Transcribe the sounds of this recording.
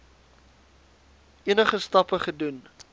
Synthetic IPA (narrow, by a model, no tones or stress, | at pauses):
iənəχəstɐpəχədun